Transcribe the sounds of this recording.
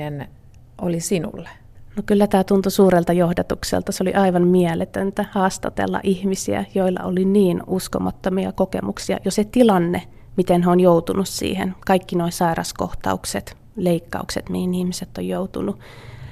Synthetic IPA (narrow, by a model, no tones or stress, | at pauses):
en | ʔolisinṵlːe̥ | nokylːæt̪æːt̪unt̪usuːrelt̪ɑjohdɑt̪uksḛlt̪ɑsolḭʔɑiʋɑmmiælet̪ønt̪æhɑːst̪ɑ̰t̪ḛlːɑ̰ʔihmisiæ̰joilːɑ̰oliniːnusko̰mɑt̪ːomiɑ̰kokḛmuksiɑ̰joset̪ilɑnːe | mit̪enheonjout̪unussḭːhḛnkɑikːinoisɑirɑsko̰ht̪ɑ̰ukset̪ | leikːɑ̰ukset̪mihinihmiset̪ːojjout̪unu